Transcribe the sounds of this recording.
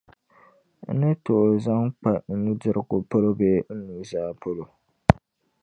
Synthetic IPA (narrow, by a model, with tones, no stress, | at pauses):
n̩˦nɨ˦to˨za˦ŋk͡pa˨n̩˦nu˦dɪ˦ɾɨ˦ko˨po˦lo˦beː˦n̩˦nuː˦zaː˦˨pʰo˦lo˨